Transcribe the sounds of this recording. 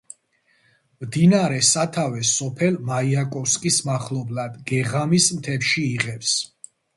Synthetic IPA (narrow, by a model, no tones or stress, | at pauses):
md̪inaɾɛsat̪ʰavɛsɔpʰɛlmaiakʼɔfskʼismaχlɔblad̪ɡɛʁamismt̪ʰɛpʃiːʁɛps